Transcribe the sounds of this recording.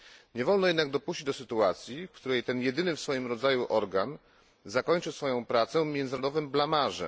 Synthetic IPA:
ɲɛvɔlnɔjɛd̪naɡ̚d̪ɔpuɕt͡ɕid͡ʑd̪ɔsɘt̪uat̪sʲjifkt̪uɾɛjt̪ɛnjɛd̪ɘnɘfsfɔjimɾɔd̪zajuʔɔɾɡan | zakɔɲt͡ʂɘsfɔjɔ̃w̃pɾat̪sɛ̃mʲjɛnd̪zɘɾɔd̪ɔvɘmblamaʐɛ̰

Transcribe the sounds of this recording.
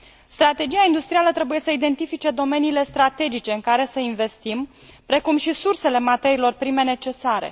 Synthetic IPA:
st̪ɾat̪e̞d͡ʒiaind̪ust̪ɾialət̪ɾe̞buje̞səid̪e̞nt̪ifit͡ʃe̞d̪o̞me̞niːle̞st̪ɾat̪e̞d͡ʒit͡ʃe̞ɨŋkaɾe̞səinve̞st̪im | pɾe̞kumʃisurse̞le̞mat̪e̞ɾilo̞rpɾime̞ne̞t͡ʃe̞saɾe̞̰

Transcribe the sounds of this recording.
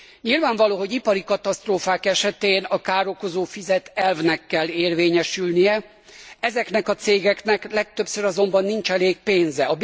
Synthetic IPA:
ɲilvaːɱvɒloːɦo̞ɟipɒɾikɒt̪ɒst̪roːfaːkɛʃɛt̪eːnɒkaːɾo̞ko̞zoːfizɛt̪ɛlvnɛkːɛlːeːrveːɲɛʃylnijɛ | ɛzɛknɛkɒt̪seːɡɛknɛklɛk̚t̪øbsøɾɒzo̞mbɒnːint͡ʃɛleːk̚peːnzɛɒb

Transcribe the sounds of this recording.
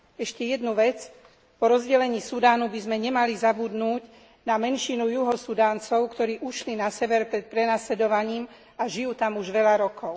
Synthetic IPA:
ɛʃcɛjɛd̪nuʋɛt͡s | pɔɾɔzɟɛlɛɲiːsud̪aːnubizmɛɲɛmalizabud̪nuːɟ | namɛnʃinujuɦɔsud̪aːnt͡sɔʊkt̪ɔɾiːʔuʃlinasɛʋɛɾpɾɛt̪̚pɾɛnaːslɛd̪ɔʋaɲiːm | aʒijuːt̪amuʒʋɛʎaɾɔkʰɔʊ

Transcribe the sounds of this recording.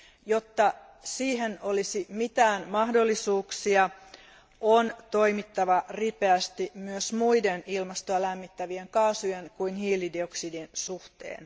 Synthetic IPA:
jo̞t̪ːɑ | siːɦeno̞lisimit̪æːnmɑhdolːisuːksiɑ | ʔont̪o̞imit̪ːɑʋɑripeæst̪imyøsmuidenilmɑst̪oɑlæmːit̪ːæʋieŋkɑːsujenkuinhiːlidioksidinsuht̪ḛːn

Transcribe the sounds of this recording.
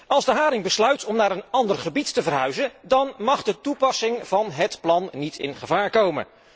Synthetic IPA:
ɑlˠzdəɦaːɾɪŋbəslœɥtʰɔmnaːɾənɑndəɹχəbittəvərɦœɥzəndɑnmɑχdətupɑsɪŋv̥ɑnɦətplɑnːitʰɪ̰nχəvaːɹkowmə̰n

